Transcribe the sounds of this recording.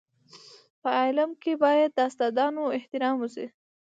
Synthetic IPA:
pəɑlamkebɑjad̪̚ːəast̪ɑd̪ɑnoɪht̪ɪɾɑmusḭ

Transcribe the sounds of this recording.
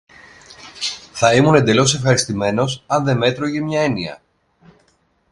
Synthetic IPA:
θɐimune̞nd̪e̞lo̞s̬e̞fxɐɾist̪ime̞no̞sɐnðe̞me̞t̪ɾoʝe̞mɲɐe̞niɐ̰

